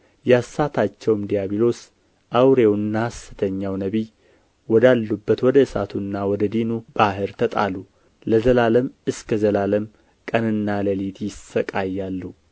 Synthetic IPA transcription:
jɛasːat̪ʰat͡ʃːɛwmd̪ijaβilo̞s | ʔawɾewnːasːɨ̥t̪ʰəɲːawnəβi | wɔd̪alːubːət̪wɔd̪əɨsa̰t̪ʰunːawɔd̪əd̪inub̥aɦɨɾt̪ʰət̪ʼa̰lu | ləzəlaləmɨskʰəzəlaləm | kʼənɨnːaləlit̪ʰjɪsːəkʼajːalːu

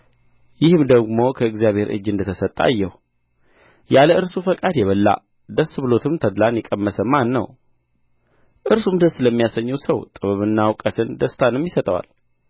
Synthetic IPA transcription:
jɪhɨmd̪əɡmo̞kʰəɨɡzijaβhe̞ɾʔɨ̰d͡ʒːɨnd̪ət̪ʰəsət̪ʼːa̰jːɛhu | jaləʔɨɾsufəkʼad̪jɛβəlːa̰ | d̪əsːbɨlo̞t̪ʰɨmt̪ʰəd̪lanjɛkʼəmːəsəmanːə̰w | ʔɨɾsumd̪əsləmːijasəɲːɛwsəwt̪ʼɨβɨβɨnːawkʼət̪ʰɨnd̪əst̪ʰanɨmjɪsət̪ʼəwa̰l

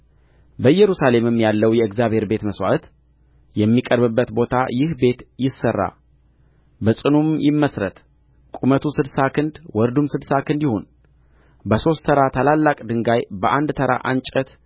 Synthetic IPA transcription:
bəjɛɾusale̞mɨmjalːəwjɛɨɡzjaβhe̞ɾbe̞t̪məswa̰t̪ | jɛmːikʼəɾbɨbːət̪bo̞t̪ʰajɪhbe̞t̪jɪsːərːa̰ | bəsʼɨnumjɪmːəsɾət̪ | kʼumət̪ʰusɨd̪sakʰɨnd̪wɔɾd̪umsɨd̪sakʰɨnd̪jɪho̞n | bəso̞st̪ʰəɾat̪ʰalalːakʼd̪ɨŋɡajbəʔand̪t̪ʰəɾa̰ʔant͡ʃʼət̪

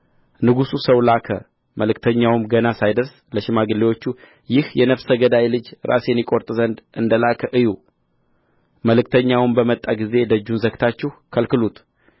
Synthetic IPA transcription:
nɨɡususəwlakʰə̰ | məlɨkt̪ʰəɲːawmɡənasajd̪əɾs | ləʃɪmaɡɨlːewo̞t͡ʃːu | jɪhjɛnəfsəɡəd̪ajlɨd͡ʒɾʔa̰sjɛnːikʼo̞ɾt̪ʼzənd̪ɨnd̪əlakʰəʔɨju | məlɨk̚t̪ʰəɲːawmbəmət̪ʼːaɡize̞d̪əd͡ʒːunzəɡt̪ʰat͡ʃːɛhkʰəlkɨlut̪ʰ

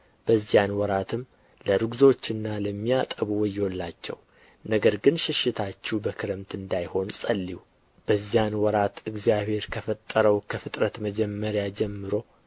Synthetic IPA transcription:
b̥əzːjanwɔɾat̪ʰɨm | ləɾɨɡzo̞t͡ʃːɨnːaləmːijat̪ʼəβuwɔjɛwolːat͡ʃːɛ̰w | nəɡəɾɡɨnʃɪʃːɪt̪ʰat͡ʃːubəkʰɨɾəmt̪ʰɨnd̪ajho̞nsʼəlːiu | b̥əzijanwɔɾat̪ɨɡzijaβhe̞ɾkʰəfət̪ʼːəɾəwkʰəfɨt̪ʼɾət̪məd͡ʒɛmːəɾjad͡ʒɛmːɨɾo̞

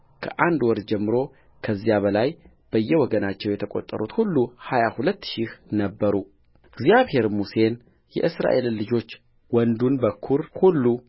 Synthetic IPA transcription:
kʰəʔand̪wɔɾd͡ʒɛmːɨɾo̞ | kʰəzːijaβəlaj | b̥əjːɛwɔɡənat͡ʃːɛwjɛt̪ʰəkʼot̪ʼːə̰ɾut̪hulːuhajahulət̪ːʃihnəbːəɾu | ɨɡzijaβhe̞ɾmuse̞n | jɛ̰ʔɨsɾa̰ʔe̞lːɨd͡ʒo̞t͡ʃː | wɔnd̪unbəkʰːuɾhulːu

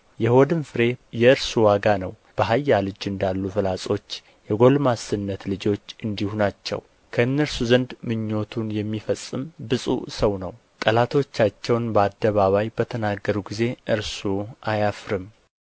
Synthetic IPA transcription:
jɛhod̪ɨnfɨɾe̞jɛɨɾsuwaɡanəw | b̥əɦajːalɨd͡ʒɨnd̪alːufɨlasʼo̞t͡ʃː | jɛɡo̞lmasɨnːət̪lɨd͡ʒo̞t͡ʃːɨnd̪ihunat͡ʃːɛ̰w | kʰəɨnːəɾsuzənd̪mɨɲːo̞t̪ʰunjɛmːifəsʼːɨmbɨsʼṵsəwnə̰w | t̪ʼəlat̪ʰo̞t͡ʃːat͡ʃːɛwnbəad̪ːəβaβajbət̪ʰənaɡːəɾuɡize̞ʔɨɾsuʔajafɾɨm

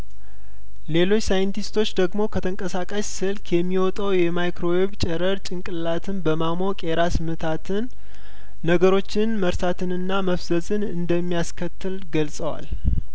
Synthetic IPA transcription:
le̞lo̞t͡ʃːsajɨnt̪ʰist̪ʰo̞t͡ʃːd̪əɡmo̞kʰət̪ʰəŋkʼəsakʼəssɨlkʰjɛmːiwɔt̪ʼəwjɛmajkɾo̞weβt͡ʃʼɛɾəɾt͡ʃʼɪŋkʼɨlːat̪ʰɨnbəmamo̞kʼeɾasmɨt̪ʰat̪ʰɨnː | əɡəɾo̞t͡ʃːɪnməɾsat̪ʰɨnɨnːaməfzəzɨnɨnd̪əmːijaskʰət̪ːɨlɡəlsʼəwa̰l

